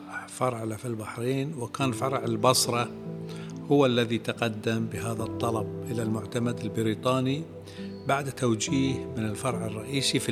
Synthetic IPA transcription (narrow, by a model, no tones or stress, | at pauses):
fɑɾˤʕlafilbaħɾiːnwɪkaːnfɑɾˤʕɪlbɑsˤɾˤɑ | hʊwalːaðit̪aqad̪ːambɪɦaːðat̪ˤːɑlɑb̚ʔɪlalmʊʕt̪amad̪ɪlbɪɾiːt̪ˤɑːni | baʕd̪t̪awd͡ʒiːhmɪnɪlfɑɾˤʕɪrˤːɑʔiːsif